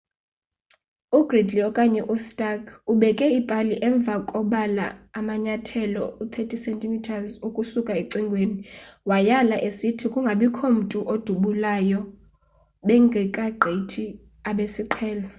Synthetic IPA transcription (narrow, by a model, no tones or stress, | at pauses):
uɡ̥ridʱliɔkʼaɲɛʔustʼakʼuɓɛkʼɛipʼaliʔɛɱb̪vʱakʼɔɓala̰ːmaɲatʰɛlɔut̪ʰetʰʼisɛntʼimitʰazukʼusukʼaeǀiŋɡʱweːniwajalaʔesitʰikʼuŋɡʱaɓikʰɔm̩tʼuʔod̥ʱuɓulajɔ | ɓɛŋɡʱɛkʼaɡ͡ǃʱetʰi | aɓesiǃʰɛːla